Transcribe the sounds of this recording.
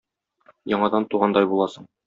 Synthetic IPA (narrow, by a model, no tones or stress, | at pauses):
jɒɴɑd̪ɑnt̪uʁɑnd̪ɑjbulˠɑsɤɴ